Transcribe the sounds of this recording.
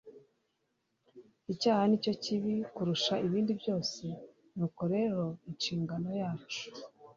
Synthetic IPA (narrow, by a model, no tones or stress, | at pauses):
icaːhanico̞ciβikuɾuʃaiβiːndibjo̞ːse̞ | nuːko̞ɾe̞ːɾo̞inʃiːŋɡano̞jaːt͡ʃu̥